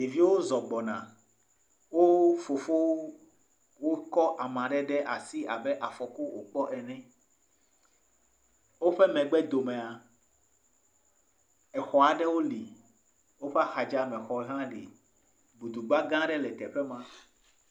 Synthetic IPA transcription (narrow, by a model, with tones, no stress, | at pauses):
je˨vi˦wo˦zɔ˨ɡ͡bɔ˨nã̰˨ | wo˦fo˨fo˦ | wo˦kɔ˦ʔa˨mã˨ɖɛ˦ɖɛ˦ʔa˨si˦a˨bɛ˦ʔa˨fɔ˨ko˦wo̰˦k͡pɔ˦ʔɛ˨nɛ̃˦ | wo˦ɸɛ˦mɛ̃˨ɡ͡bɛ˦d̪o˨mɛ̃˨a˨ | ɛ˨xɔ˨a˨ɖɛ˦wo˦li˨ | wo˦ɸɛ˦a˦xa˨d͡ʒa˦mɛ̃˨xɔ˨ɛ˨ɦã˦ɖḭ˨ | bu˨d̪u˨ɡ͡ba˦ɡã˦ɖɛ˦lɛ˨t̪ɛ˨ɸɛ˦mã˦